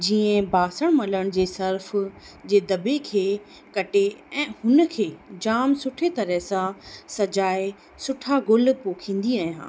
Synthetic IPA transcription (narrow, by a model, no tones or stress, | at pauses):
d͡ʑiːə̃baːsəɽ̃mɐləɽ̃d͡ʑeːsɐɾf | d͡ʑeːd̪ɐbekʰeː | kɐʈeɛ̃ːhʊnəkʰeːd͡ʑaːmsʊʈʰet̪ɐɾəɦsãsɐd͡ʑaːe | sʊʈʰaɡʊlpoːkʰĩːn̆d̪iaːɦijã̰ː